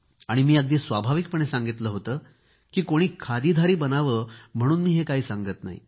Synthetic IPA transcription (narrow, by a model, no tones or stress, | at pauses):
aɽ̃imiːəɡ̚d̪iːsʋabʱaʋik̚pəɳ̃esãŋɡit̪ləːɦot̪əː | kiːkoɽ̃iːkʰad̪iːd̪ʱaɾiːbənaʋəːm̤əɽ̃uːnmiːɦekaɦiːsaŋɡət̪na̰ɦḭ